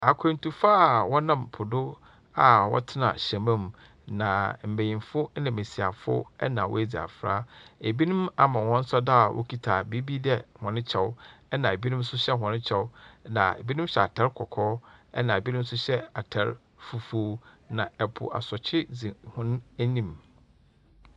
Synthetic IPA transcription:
a˨kʷʰẽ˨n˨tu˨faː˦˨wɔ˦nã˦˨mpʰʊ˨dʊ˦ | a˨wɔ̰˦tʰɪ˦nã̰˨ɕɛ̃˨mã˦m˨ | nã˨m̩˨be˨jĩ˨nfʊ˦nɪ̃˨me˨si˨a˨fʊ̰˦ɛ̰˦nã˨wɔ̰˦e˦d͡zi˨a̰˨fɾa̰ː˦e˨bi˦nʊ̃˦ma˨mã˨wɔ̃˦n̩˦sa˦da˦˨wʔo̰˦kʰi˦tʰaː˨bi˦bi˦dɛ˦hɔ̃˨nɪ̃˦t͡ɕʰɛ˦wɛ˦nã˨e˨bi˦nʊ̃˦m̩˦sʊ˦ɕɛ˦ɦɔ̃˨nɪ̃˦t͡ɕʰɛ˦wʊ˦nã̰˨ḛ˨bi˦nʊ̃˦m˦ɕɛ˨a˨tʰɛ˦ɾkʰɔ˨kʰɔː˦ɛ̰˦nã˨e˨bi˦nʊ̃˦m˦sʊ˦ɕɛ˦a˨tʰɛ˦ɾ | fu˨foː˦ | nã˨ɛ˨pʰʊ̰˨ʔa̰˨sɔ˨t͡ɕʰɪ˦d͡zi˨hʊ̃˦n˦æ˦nĩ˦m

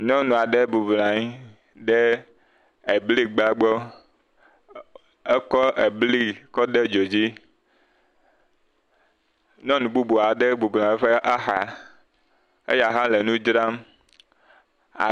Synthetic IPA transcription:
ɲɔ̃˦nũ˨a˨ɖe˦bu˨blã˨ɲi˦ | ɖe˦ | e˨bli˦ɡ͡ba˦ɡ͡bɔ˦ | e˦kɔ˦e˨bli˦kɔ˦ɖe˦d͡ʒo˨d͡ʑi˦ | ɲɔ̃˦nũ˨bu˦bo˨a˨ɖe˦bu˨blã˨˦ɸe˦ʔa˦xa˨ | ḛ˦ja˨ɦã˦le˨nũ˦d͡ʒɾa˦m | a̰˨

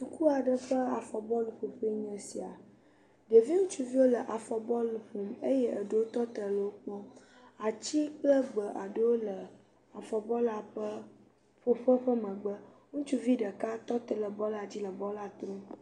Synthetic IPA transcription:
t̪u˨ku˦a˨ɖə˦ɸə˦a˨fɔ˨bɔ˦lɸo˨ɸe˦ɲə̃˨si˨a˨ | ɖe˨vi˦ŋũ˦t͡ʃu˦vi˦wo˦lə˨ʔa˨fɔ˨bɔ˦lɸo˨me˦jɛ˦ʔə˨ɖə˦wo˦t̪ɔ˦t̪ə˨lə˨wo˦k͡pɔ̃˦ | a˨t͡ɕi˦k͡plə˦ɡ͡bə˨ʔa˨ɖə˦wo˦lə˨ | a˨fɔ˨bɔ˦la˨ə˦ | ɸo˦ɸə˦ɸə˦mə̃˨ɡ͡bə˦ŋũ˦t͡ʃu˦vi˦ɖə˨ka˦t̪ɔ˦t̪ə˦lə˨bɔ˦la˨d͡ʑi˦lə˨bɔ˦la˦t̪ɾo˦

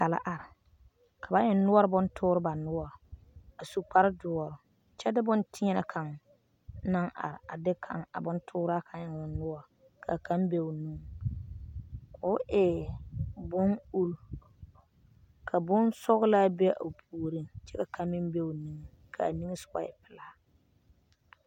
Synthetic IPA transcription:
ka˨la̰˦ʔa˨ɾɪ˨ | kʰa˨ba˨˦ɲɛ˨n˦nʊ˦ɔ˦ɾɪ˦bʊ˦ntʰʊː˦ɾɪ˦ba˨nʊ˦wɔ˨ | a˨su˨k͡pa˨ɾɪ˦dʊ˨ɔ˨ɾʊ˨ | t͡ʃɛ˦dɪ˦bʊ˦ntʰɪ˦ɲɛ˦na˨kʰa˨ŋ | na˦ŋʔa̰˨ɾɪ˨a˨dɪ˦kʰa˨ŋa̰˨bʊ˦ntʰʊː˦ɾa˦kʰa˨˦ɲɛ˨ŋ˨ʊ˨nʊ˦wɔ˦˨ | kʰa̰˨kʰa˦mbe˦ʊ˨nu˦ŋ | kʊ˨˦ʔɛ˨ | bʊ˦ŋu˦ɾ | kʰa˨bʊ˦nsɔ˦ɣʊ˦laː˦be˦ʔa̰˨pʰuː˨ɾi˦ŋt͡ʃɛ˦ka˨kʰa˨mɪ˦mbe˦ʊ˨ni˦ŋ˨ | kʰa̰˨a̰˨ni˦ŋe˦sʊ̥˦ka̰˦ɛ̰˨pɪ˨la˦

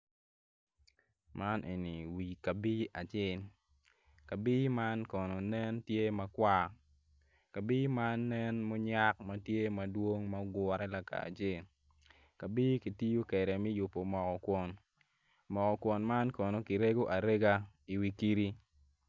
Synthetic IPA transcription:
mʔa˦nʔḛ˨ni˨wi˨ka˨bi˦a˨t͡ʃɪ˦˨n | ka˨bi˦ma˦nkɔ˨no˨nɛ˦ntje˦mɐ˨kwa˦ | ka˨bi˦ma˦nːɛ˦nmo˦ɲa˦k̚mɐ˦tje˦mɐ˨dwo˦ŋmɐ˦ɡwɔ˨ɾɛ˦la˨ka̰˨t͡ʃɪ˦˨n | ka˨bi˦ki˨ti˦jo˦kɛ˨ɾɛ˨mi˦jʊ˨pːo˨mɔ˨kɔ˨kwɔ˨n | mɔ˨kɔ˨kwɔ˨nma˦nkɔ˨no˨ki˨ɾe˦ɡo˦ʔa˨ɾe˦ɡa˦i˨wi˨ki˦ɾi˦

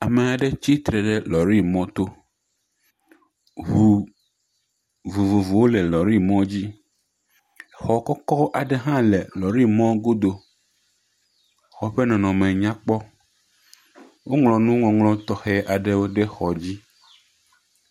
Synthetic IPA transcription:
a˨me˨a˨ɖe˦t͡ɕi˦t̪ɾe˨ɖe˦lɔ˨ɾi˦mɔ̃˦t̪o˦ | ɦu˨ | vu˨vu˨vu˨wo˦le˨lɔ˨ɾi˦mɔ̃˦d͡ʑi˦ | xɔ˨kɔ˦kɔ˦ʔa˨ɖe˦ɦã˦le˨lɔ˨ɾi˦mɔ̃˦ɡo˦d̪o˦ | xɔ˨ɸe˦nɔ̃˨nɔ̃˨mẽ˨ɲã˦k͡pɔ˦ | wo˦ŋlɔ̃˨nũ˦ŋɔ̃˨ŋlɔ̃˦t̪ɔ˦xe˦ʔa˨ɖe˦wo˦ɖe˦xɔ˨d͡ʑi˦

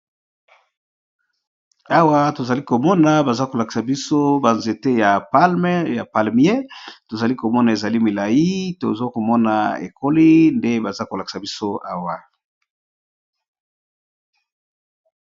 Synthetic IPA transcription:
a˦wa˦to˨za˨li˦ko˨mɔ˦na˨ba˨za˦ko˨la˨ki̥˨sa˨bi˦so˦ba˨nze˨te˦ja˨pa˦lm˦ja˨pa˨lmi˦e˦to˨za˨li˦ko˨mɔ˦na˨e˨za˨li˦mi˨la˨ji˦to˨zo˦ko˨mɔ˦na̰˨ḛ˨ko˦li˦nde˦ba˨za˦ko˨la˨ki̥˨sa˨bi˦so˦a˦wa˨

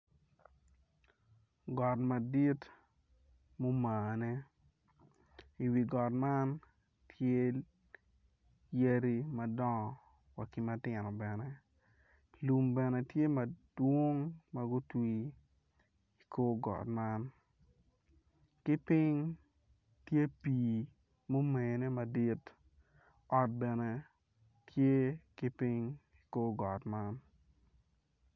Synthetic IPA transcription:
ɡɔ˨tma˨di˦t | mo˦maː˨nɛ˦ | i˨wi˨ɡɔ˨tma˦n | tʰje˦ | je˦ɾi˦mɐ˨dɔ˦ŋɔ˨ | wa˨kɪ˦ma˦tɪ˨nɔ˨bɛ˨nɛ˦ | lu˨mbɛ˨nɛ˨tje˦mɐ˨dwo˦ŋma˦ɡʊ˦twi˦ | i˨koː˦ɡɔ̰˨tma˦n | kɪ˦pɪ˦ŋ | tje˦piː˨ | mo˦me˨ne˦ma˨di˦t | ɔ˨t̚bɛ˨nɛ˦ | tʰje˦kɪ˦pɪ˦ŋ | i˨koː˦ɡɔ˨tma˦n

